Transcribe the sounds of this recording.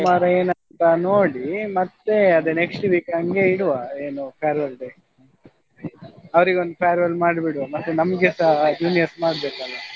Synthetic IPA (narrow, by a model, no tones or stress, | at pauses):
maːɾɐeːnɐnt̪ɐnoːɽimɐt̪ːeɐd̪eneksʈʋiːkɐŋɡe̞iɽuʋaeːnupʰeːɾʋɐlɖe | ɐʋɐɾiɡeo̞nd̪upʰejɐɾʋɐlmaːɽbiɽʋamɐt̪ːenɐmɐɡesɐd͡ʒuːnijɐɾsmaːɽbeːkɐlːɐ